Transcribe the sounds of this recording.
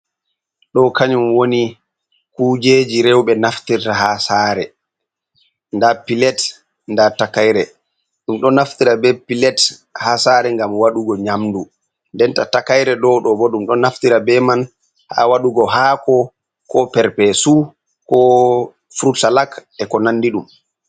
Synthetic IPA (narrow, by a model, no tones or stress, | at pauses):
ɗɔkaɲumwoni | kud͡ʒed͡ʒiɾɛwɓɛnaftiɾtaɦasaːɾɛ | ndapilɛt | ndatakajɾɛ | ɗumɗɔnaftiɾabɛpilɛthasaɾɛŋɡamwaɗuɡɔɲamdu | ndɛntatakajɾɛɗɔɗɔbɔɗumɗɔnaftiɾabɛman | ha̰waɗuɡɔɦakɔ | kɔpɛɾpɛsu | kɔ | fɾutsalakɛkɔnanːdiɗum